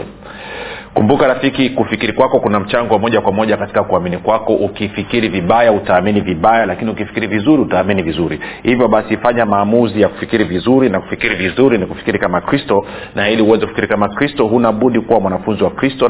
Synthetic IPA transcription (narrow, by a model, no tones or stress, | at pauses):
kumbukaɾafikikufikiɾikwakɔkunam̩t͡ʃaŋɡɔwmɔʄakwamɔʄakati̥kakuaminikwakɔʔukifikiɾiviɓajautaːminiviɓajalakiniukifikiɾivizuɾiutaːminivizuɾihivjɔɓasifaɲamaːmuzijaku̥fikiɾivizuɾinaku̥fikiɾivizuɾiniku̥fi̥kiɾikamakɾistɔ | nahiliuwɛzɛkufi̥kiɾikamakɾistɔɦunaɓuɗikuwamwanafunziwakɾistɔ